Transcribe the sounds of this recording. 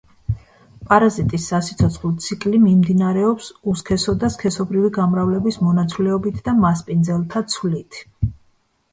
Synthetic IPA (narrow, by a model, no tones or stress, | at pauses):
pʼaɾazit̪ʼisːasit̪sʰɔt̪sʰχlˠt̪sʰikʼlimimd̪inaɾɛɔpsuskʰɛsɔd̪askʰɛsɔbɾiviɡamɾavlɛbismɔnat̪sʰlɛɔbit̪ʰd̪amaspʼind̪zɛlˠt̪ʰat̪sʰwlit̪ʰ